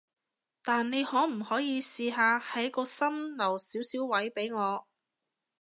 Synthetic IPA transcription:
t̪aː˨nne˨˧jhɔː˨˥m̩˨˩hɔː˨˥jiː˨˧siː˧ɦaː˧hɐ˨˥jkɔː˧sɐ˥mlɐ˨˩wsiː˨˥wsiː˨˥wːɐ˨˥jpe˨˥jŋɔː˨˧

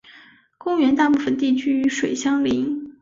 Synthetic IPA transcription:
kʊ˥ŋɥɛ˧˥nt̪a˥˧pu˥˩fə˨nt̪i˥˩t͡ɕʰy˥y˧˥ʂwe˨˩ɪɕjɑ˥ŋli˧˥ŋ

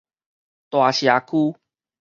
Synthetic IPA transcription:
t̪wa˨˩ɕja˨˩kʰu˦

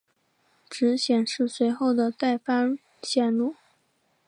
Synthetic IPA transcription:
ʈ͡ʂɻ̩˧˥ɕjɛ˨˩nʂɻ̩˥˩swe˧˥ɪxo˥˩ʊd̪ə˩t̪a˥˩ɪfa˥n | ɕjɛ˥˧nlu˥˩

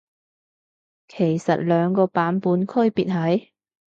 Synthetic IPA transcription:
kʰe˨˩jsɐ˨t̚lœː˨˧ŋkɔː˧paː˨˥npuː˨˥nkʰɵ˥˧ɥpiː˨t̚ɦɐ˨˥j

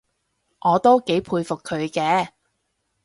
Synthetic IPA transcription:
ŋɔː˨˧t̪o˥wke˨˥jpʰuː˧jfʊ˨kʰːɵ˨˧ɥkɛː˧

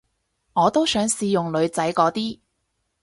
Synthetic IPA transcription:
ŋɔː˨˧t̪o˥wsœː˨˥ŋsiː˧jʊ˨ŋlɵ˨˧ɥt͡sɐ˨˥jkɔː˨˥t̪iː˥

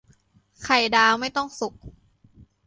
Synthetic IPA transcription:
kʰa˨˩jdaː˧wma˥˩jt̪ɔ˥˩ŋsu˨˩k̚

